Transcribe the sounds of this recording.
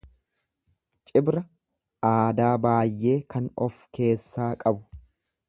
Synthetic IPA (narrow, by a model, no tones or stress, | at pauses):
t͡ʃʼɪbɾɐ | ʔaːd̪aːbaːjːe̞ːkɐnɔfke̞ːsːaːkʼɐbʊ̥